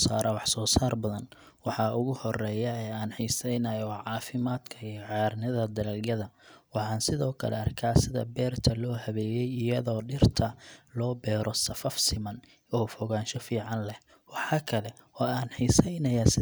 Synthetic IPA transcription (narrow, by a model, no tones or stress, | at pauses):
saːɾʔɐwɑħsɔːsaːrbɐðɐn | wɑħɑʊɣʊhɔrɛːjɐɛːaːnħiːsɛjnɐjɔwʕɑːfɪmaːd̪kʰɐijʕɑjrnɪðɐd̪ɐlɐljɐðɐwɑħɑːnsɪðɔːkʰɐ̰lɛ̰ɐrkʰaːsɪðɐ̰bɛːrt̪ʰɐlɔːhɐβɛːjɛjɪjɐðɔːɖɪrt̪ʰɐlɔːbɛːɾʔɔsɐfɐfsɪmɐn | ɔːfɔɣaːnʃɔfiːʕɑnlɛh | wɑħɑːkʰɐlɛ | ɔːaːnħiːsɛjnɐjaːsɪ